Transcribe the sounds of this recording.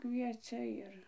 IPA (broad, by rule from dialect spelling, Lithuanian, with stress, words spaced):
ˈkʋʲiɛt͡sʲɛ ˈɪr